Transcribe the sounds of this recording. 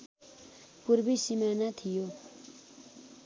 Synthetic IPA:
purbiɕimanat̪ʰijol

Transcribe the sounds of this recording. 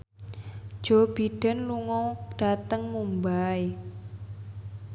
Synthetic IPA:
d̥ʒ̥o̤b̥i̤ɖ̥ə̤nluŋɔɖ̥a̤t̪əŋmumbae

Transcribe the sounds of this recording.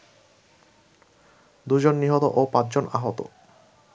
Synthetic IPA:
d̪ud͡ʑonːiɦɔt̪o̰ʔopãt͡ɕʰd͡ʑonaɦot̪o̰

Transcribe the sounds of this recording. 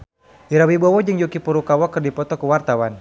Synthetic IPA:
iɾawibɔwɔd͡ʒɨŋjukipuɾukawɔkɨrdipɔt̪ɔkuwart̪awan

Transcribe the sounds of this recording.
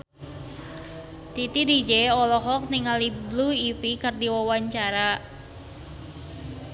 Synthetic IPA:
t̪it̪idid͡ʒeɔlɔɦɔk̚niŋalibluifikɨrdiwawaɲt͡ʃaɾa

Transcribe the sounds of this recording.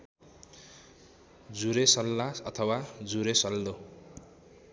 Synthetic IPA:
d͡zuɾesʌlːaʌt̪ʰʌwad͡zuɾesʌld̪o

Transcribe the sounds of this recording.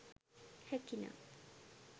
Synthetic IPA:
hɛkina̰

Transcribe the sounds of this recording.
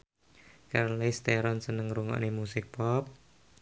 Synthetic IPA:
kɛrlist̪ɛɾɔnsənəŋɾuŋɔ̰ʔnemusɪk̚pɔp̚

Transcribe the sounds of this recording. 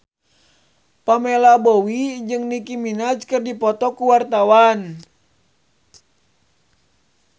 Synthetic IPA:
pamɛlabowid͡ʒɨŋnikiminad͡ʒkɨrdipɔt̪ɔkuwart̪awan

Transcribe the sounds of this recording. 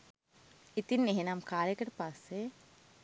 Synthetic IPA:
it̪inːeɦenamkaːljekəʈɐpase

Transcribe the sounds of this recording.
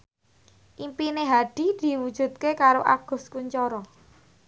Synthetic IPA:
ʔimpineɦad̪̥i̤d̪̥i̤wud̥ʒ̥ṳt̪̚kekaɾoʔa̰ɡ̥ʊ̤skuɲt͡ʃɔɾɔ

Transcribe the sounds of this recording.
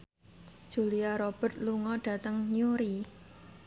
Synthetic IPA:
d̥ʒ̥ulijaɾɔb̥ə̤rt̪luŋɔɖ̥a̤t̪əŋɲjuɾi

